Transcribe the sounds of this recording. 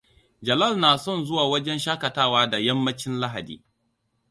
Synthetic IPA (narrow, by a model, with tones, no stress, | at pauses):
d͡ʒɐ˨lɐ˦˨lnaː˨sɔ˦˨nzʊ˦waː˨wɐ˦d͡ʒɛ˦nʃaː˦kɐ˨taː˦waː˦da˨jɐ˦mːɐ˦t͡ʃɪ˦nla˦ɦa˨dḭː˨